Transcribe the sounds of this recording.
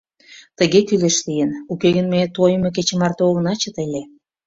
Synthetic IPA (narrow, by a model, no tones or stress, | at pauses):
t̪ə̆ɣekyleʃlijənukeɣənmet̪ojmek̬et͡ɕĕmɑrt̪ooɣə̆nɑt͡ɕə̆t̪elʲe